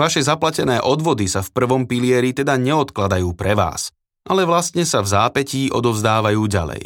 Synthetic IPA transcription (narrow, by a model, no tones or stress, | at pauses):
ʋaʃɛzaplacɛnɛːʔɔd̪ʋɔd̪isafpr̩ʋɔmpilɪɛɾit̪ɛd̪aɲɛɔt̪klad̪ajuːpɾɛʋa̰ːs | ʔalɛʋlast̪ɲɛsavzaːpɛciːʔɔ̰d̪ɔvzd̪aːʋajuːɟa̰lɛ̰j